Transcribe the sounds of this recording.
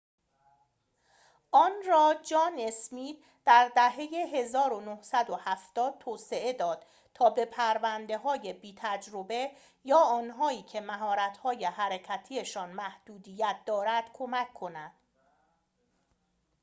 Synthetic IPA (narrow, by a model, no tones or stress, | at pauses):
ʔɒːnɾɒːd͡ʒɒːnesmiːd̪ | d̪̥æɾd̪æɦe̞jeɦe̞zɒːɾonohsæd̪ohæft̪ɒːd̪̚t̪ʰoːse̞ʔe̞d̪ɒːd̪̥ | t̪ʰɒːbe̞pʰæɾvænd̪e̞ɦɒːjebiːt̪ʰæd͡ʒɾobe̞ | jɒːɒːnɦɒːiːcʰe̞mæɦɒːɾæt̪ʰhɒːje̞hæɾecʰæt̪ʰieʃɒːnmæhd̪̥uːd̪ijæt̪̚d̪ɒːɾæd̪̥kʰo̞mækʰːo̞næd̪̥